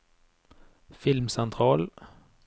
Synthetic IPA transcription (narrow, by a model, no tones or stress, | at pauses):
fɪlmsɛnt̪ʰʁɑːl